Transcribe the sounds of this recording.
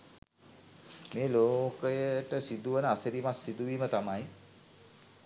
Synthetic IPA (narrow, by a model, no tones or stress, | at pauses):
meːloːkəjəʈəsid̪uʋənəasəɾimasːid̪uʋiːmət̪amaj